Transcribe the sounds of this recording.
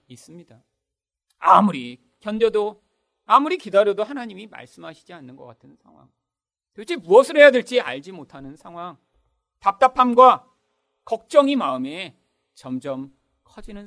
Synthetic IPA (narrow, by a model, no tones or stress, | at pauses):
is͈ɯmɲida | amuɾi | kʰjʌnd͡ʑʌdo | amuɾikidaɾjʌdohanaɲimima̰ɭs͈ɯmɦaɕʰid͡ʑianːɯnɡʌk͈atʰɯnsʰaŋɦwa̰ŋ | tot͡ɕʰimuʌsʰɯɾoɦe̞jadweɭt͡ɕ͈ia̰ɭd͡ʑimotʰanɯnsʰaŋɦwaŋ | tap̚t͈apʰamɡwa | kʌk̚t͡ɕ͈ʌŋimaɯme̞ | t͡ɕʌmd͡ʑʌm | kʰʌd͡ʑinɯn